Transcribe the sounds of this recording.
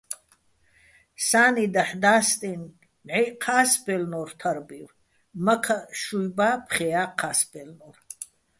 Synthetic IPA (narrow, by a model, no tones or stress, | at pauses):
saːnid̪ɐħd̪aːst̪ʼin | ʕiqʰaːsbʼɛlnɔrt̪ʰɐɾbir | mɐkʰaʃujbaːpʰχɛjaːqʰaːsbʼɛlnɔr